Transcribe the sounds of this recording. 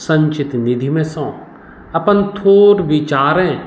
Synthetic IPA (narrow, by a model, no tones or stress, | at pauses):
sə̃ɲt͡ʃɪt̪nɪd̪ʱimẽsõː | ɐpənt̪ʰoːɾʋɪt͡ʃaːɾẽ